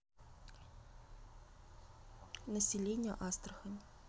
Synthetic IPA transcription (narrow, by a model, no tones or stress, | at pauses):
nəsʲɪlʲenʲɪjə̰ʔast̪ɾəxənʲ